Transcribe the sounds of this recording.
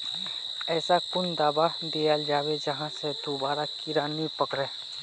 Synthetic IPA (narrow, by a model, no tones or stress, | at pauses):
ɛːsakʊnd̪aːbad̪ijald͡ʒaːwed͡ʒəɦãsed̪oːbaːɾakɪɾaːnipəkɾeː